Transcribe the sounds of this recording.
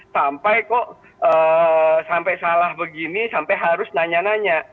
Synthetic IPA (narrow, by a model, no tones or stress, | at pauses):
sampajkɔʔ | əːsampajsalahbəɡinisampajɦaɾʊsnaɲanaɲa